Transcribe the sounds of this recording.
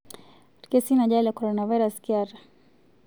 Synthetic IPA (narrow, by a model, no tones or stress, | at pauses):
ɾkɛsinaʄalakɔɾɔnavajɾaskiaɾa